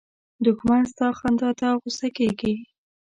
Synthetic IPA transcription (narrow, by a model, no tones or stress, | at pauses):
d̪ʊkmanst̪ɑxɑnd̪ɑd̪aɣʊsakeɡi